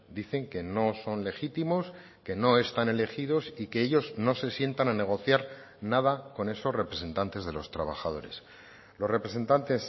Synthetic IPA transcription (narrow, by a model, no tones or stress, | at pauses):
d̪iθe̞ŋke̞no̞so̞nle̞xit̪imo̞s | ke̞no̞e̞st̪ane̞le̞xiðo̞sike̞eʎo̞zno̞se̞sje̞nt̪anane̞ɣ̞o̞θjaɾ | nað̞ako̞ne̞so̞zre̞pɾe̞se̞nt̪ant̪e̞zðe̞lo̞st̪ɾaβaxað̞o̞ɾe̞̰s | lo̞sre̞pɾe̞se̞nt̪ant̪e̞s